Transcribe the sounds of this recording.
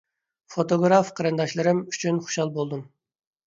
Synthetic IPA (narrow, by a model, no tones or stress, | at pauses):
fot̪oɡɾɑfqʰɑɾɨnd̪ɑʃlˠɨɾɨmy̥t͡ʃʰynχu̥ʃɑlˠbolˠd̪um